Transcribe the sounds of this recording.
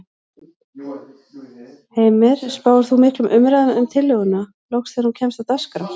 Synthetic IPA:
heːjmɪɾ̥spaːwʏɾ̥θumɪhklʏmʔʏmɾaðʏʏmt̪ʰɪlːœɣʏnːa | lɔwxsθɛaɾhuncʰɛmst̪awt̪askɾa

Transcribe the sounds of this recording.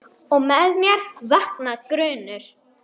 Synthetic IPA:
ɔɣmɛðmjɛɾvahknakɾʏːnʏɾ̥

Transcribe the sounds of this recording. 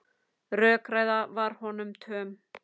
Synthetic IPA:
rœːkɾaːjðavaɾ̥hɔnʏmt̪ʰœːm

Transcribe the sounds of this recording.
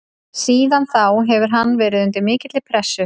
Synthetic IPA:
siːðanθawɦɛvʏɾɦanːvɛːɾɪðʏnt̪ɪɾmɪːcɪt̪lɪpʰɾɛsːʏ

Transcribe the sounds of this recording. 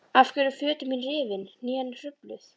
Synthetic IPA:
afcɛɾʏfʏːt̪ɪminrɪːvɪnːiːɛnr̥ʏplʏθ

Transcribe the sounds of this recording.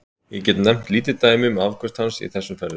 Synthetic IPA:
jɛcɛt̪nɛm̥t̪liːt̪ɪt̪aːjmʏmavkʰœst̪hansḭθɛsːʏmfɛɾðʏ

